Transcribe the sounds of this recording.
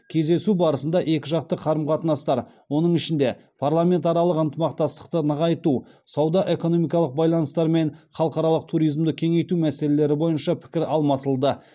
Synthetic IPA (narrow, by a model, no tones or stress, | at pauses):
kʲʰe̞zd̪e̞subɑɾəsənd̪ɑʔe̞kʲɪʒɑq̚t̪əqʰɑɾəmqʰɑt̪ənɑst̪ɑɾ | wo̞nəɴɪʃɪnd̪e̞ | pʰaɾlˠame̞nt̪ɑɾɑlˠəqənt̪əmɑqt̪ɑst̪ə̥q̚t̪ənəʁɑjt̪usɑwd̪ɑʔe̞ko̞no̞mijkɑlˠəq̚bɑjlˠɑnəst̪ɑɾme̞nχɑlˠəqɑɾɑlˠəq̚t̪ʰuɾijzmd̪əkʲʰe̞ŋe̞jt̪umæsele̞le̞ɾɪbo̞jənʃɑpʰɪ̥kʲɪɾɑlˠmɑsəlˠd̪ə